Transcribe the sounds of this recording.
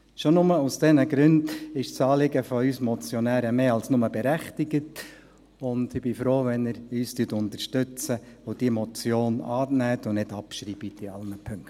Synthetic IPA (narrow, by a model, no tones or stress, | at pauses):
ʃonʊməusd̥ɛnəɡɾʏndɪʃsɑːlɪɡəfɔyːsmɔt͡sjɔnæːɾəmeːɑlsnʊməb̥ɛɾæχtiɡ̥ət | ʊndɪb̥ɪfɾoːʋɛnɪɾyːstyətʊntəɾʃtʏt͡səʋod̥iəmɔt͡sjoːnɑ̰ːnæːtʊnɪdɑpʃɾiːbitiɑ̰lnəpʰʏŋkt